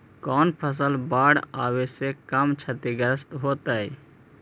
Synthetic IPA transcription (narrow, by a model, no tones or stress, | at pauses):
kɔːnpʰəs̬əlbaːɽaːwesekəmt͡ʃʰət̪iɡəɾəst̪ɦoːt̪əi